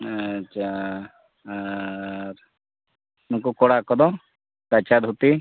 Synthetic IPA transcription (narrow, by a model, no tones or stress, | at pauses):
at͡ʃʰa | ɾ | nukukɔɽakɔd̪ɔ | kat͡ʃad̪ɦut̪i